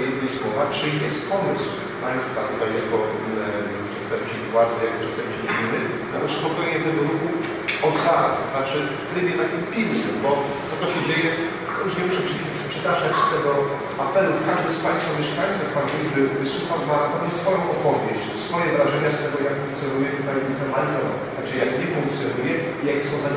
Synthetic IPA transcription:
ɛd̪ːʲiswɔvat͡ʂɘijɛst̪pɔmɨsw | paj̃st̪vat̪ut̪ajːakɔ | pʂɛt̪st̪ɛmʲp̚t͡ʃɛit̪wat̪sʲjajak̪̚ɔʃɛt̪ɛɡiɕɔd͡ʑinɘ | alɛspɔkɔjɲɛt̪ɛɡɔɾuxu | ɔsat̪znat͡ʂɘft̪ɾɘbʲjɛt̪akʲimpʲilsɛmbɔ | t̪ɔt̪ɔɕɛd͡ʑejɛ | t̪ɔjuʂɲɛmuʂɛp | pʂɛt̪aʐat͡ɕst̪ɛɡɔ | apɛlukaʐd̪ɛspaj̃st̪famʲɛʂkajt̪suffanʲibɘvɨswuxawnat̪ɔmɔsfɔjɔ̃w̃ʔɔpɔvʲjeɕt͡ɕsfɔjɛvɾaʐɛɲast̪ɛɡɔjakfũŋkt̪sjɔnujɛt̪ut̪ajɛmʲisɛmajt̪ɔ | t̪ak̚t͡ʃɛjakɲɛfuŋk̚t̪sʲjɔnujɛ | ijakʲɛsɔ̃w̃t̪a

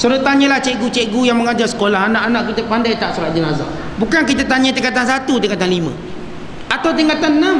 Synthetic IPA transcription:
suɾət̪aɲə̃laht͡ʃɛʔɡut͡ʃɛʔɡujaŋməŋad͡ʒarsə̥kolaɦanãʔanãʔkit̪əpandajt̪aʔsuɾat̪̚d͡ʒənaza̰ | bukank̬it̪ət̪aɲə̃t̪iŋkat̪ansat̪ut̪̬iŋkat̪anlimə̰̃ | at̪awt̪̬iŋkat̪anna

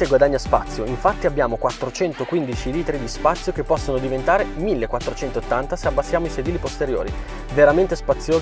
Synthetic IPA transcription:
eɡwad̪aɲːaspat̪sːjoiɱfat̪ːiabːjaːmokwat̪ːɾot͡ʃɛnt̪okwind̪it͡ʃiliːt̪ɾid̪ispat̪sːjokepːɔsːonod̪ivent̪aːɾemilːekːwat̪ːɾot͡ʃɛnt̪oot̪ːant̪aseabːasːjaːmoised̪iːlipost̪eɾjo̰ːɾḭ | veɾament̪espat̪sːjoː

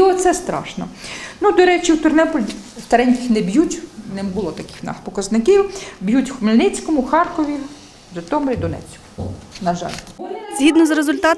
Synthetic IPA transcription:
ɔt̪sɛst̪ɾɑ̰ʃnɔ̰nud̪ɔɾɛt͡ʃiwt̪ʊrnɛpɔlʲst̪ɐɾɛnʲkʲɪxnɛbjutʲnɪmbʊlˠɔt̪ɐkɪ̥xnɑ̰xpɔkɐznɪkiwbjutʲxʊmelʲnɪt͡sʲkɔmʊxɑrkɔʋʲi | zɐt̪ɔmɔɾʲid̪ɔnɛ̰t͡sʲkʊnɐʒɑ̰lʲz̥ʲɦʲid̪nɔzɾezʊlʲt̪ɑ

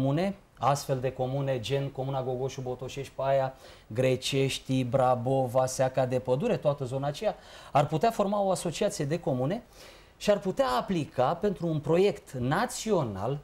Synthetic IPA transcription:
mune̞ | a̰st̪fe̞ld̪e̞ko̞mune̞d͡ʒe̞nko̞munaɡo̞ɡo̞ʃubo̞t̪o̞ʃe̞ʃt̪̚ʲpajaɡɾe̞t͡ʃe̞ʃt̪ibɾabovaseakad̪e̞pəd̪uɾet̪oat̪əzo̞naːt͡ʃejaarput̪eafo̞rmao̞aso̞t͡ʃiat̪sije̞d̪e̞ko̞mune̞ | ʃiarput̪eaːplikape̞nt̪ɾuːnpɾo̞je̞kt̪nat̪sio̞na̰l

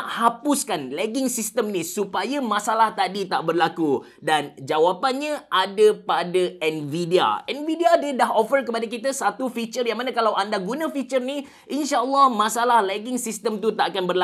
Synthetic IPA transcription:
ʔhapʊskanlɛɡɪŋsist̪əmnĩsupajamãsalaht̪adit̪aʔbərlaku | dand͡ʒawapanɲãʔadapadaɛnvidia̰ʔɛnvidiadadaɦofərk̬əpadak̬it̪̬asat̪ufit͡ʃərjaŋmanãkalawʔandaɡunãfit͡ʃərni | ʔinʃaʔəlːɔhmãsalahlɛɡɪŋsist̪əmt̪ut̪aʔakanbərla

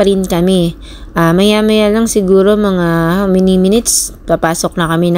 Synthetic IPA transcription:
ɐɾɪnkɐmɛ | ʔamɐjaːmɐjalɐŋsɪɡuːɾo̞mɐŋamɪnimɪnɪt̪spapaːsok̚nɐkɐmɛn

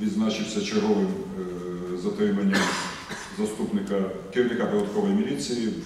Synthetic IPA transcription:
ʋʲid̪znat͡ʃɪwsʲɐt͡ʃeɦɔʋɪm | zɐt̪ɾɪmɐnʲːɐm | zɐst̪upnɪkɐkʲɪɾʲiwnʲɪkapɔd̪ɐd̪kɔʋɔjmʲilʲit͡sʲiji

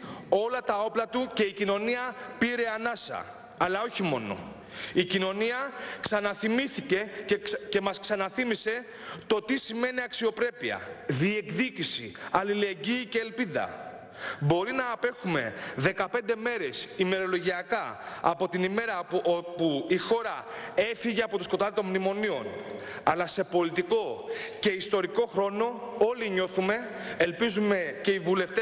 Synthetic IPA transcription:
o̞lɐt̪ɐo̞plɐt̪uce̞icino̞niɐpiɾe̞ɐnɐsɐ̰ | ɐlɐo̞çimo̞no̞̰ | icino̞niɐksɐnɐθimiθice̞ce̞mɐsksɐnɐθimise̞ | t̪o̞t̪isime̞niɐksio̞pɾe̞piɐ̰ðie̞kðicisiɐlile̞ɟiːce̞ːlpiðɐ̰ | bo̞ɾinɐːpe̞xume̞̰ðe̞kɐpe̞nd̪e̞me̞ɾe̞sime̞ɾo̞lo̞ʝiɐkɐ̰ːpo̞t̪inime̞ɾɐopuixo̞ɾɐe̞fiʝe̞ɐpo̞t̪usko̞t̪ɐðet̪omnimo̞nio̞̰n | ɐlɐse̞po̞lit̪iko̞ce̞ist̪o̞ɾiko̞xɾo̞no̞o̞liɲo̞θume̞ː | lpizume̞ce̞ivule̞ft̪e

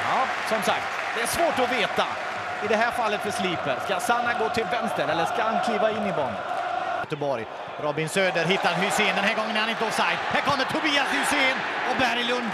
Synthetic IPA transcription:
ɑː | sɔmsak̚t̪ | d̪̥ɛæʂvoːʈɔveːt̪a | ɪd̪ɛɦæːɾfalːət̪fœʂliːpəɾskasanːaɡoːt̪ʰɪlvɛmst̪əɾɛlːəʂkaankʰliːvaɪnːɪvɔŋə̰jøːt̪əbɔɾj | ɾɔbɪnsøːd̪əɾɦɪt̪ːaɾɦʏseːnd̪ɛnɦæːɾɡɔŋːənɛhanɪnt̪əɔsakt̪hæɾkʰɔmd̪ət̪ʰʊbiːashʏseːnɔbæɾɪlɵnd̪

